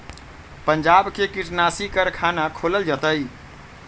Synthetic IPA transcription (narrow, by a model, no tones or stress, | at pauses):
pəɲd͡ʒabkekiʈnasikəɾkʰanakʰoləld͡ʒət̪əj